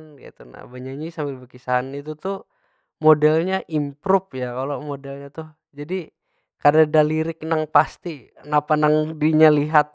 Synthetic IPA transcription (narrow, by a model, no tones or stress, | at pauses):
nka̰t̪una̰baɲaɲisambɪlbəkisaanit̪ut̪u | modɛlɲaʔimpɾʊp̚jakalomodɛlɲat̪ʊh | d͡ʒadi | kadadaliɾɪk̚naŋpast̪i | napanaŋdiɲaliɦat̪̚